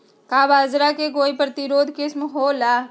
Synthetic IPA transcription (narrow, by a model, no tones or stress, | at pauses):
kaːbaːzɾakeɡoːipɾət̪ɪɾoːd̪ʱkɪsmɦolaː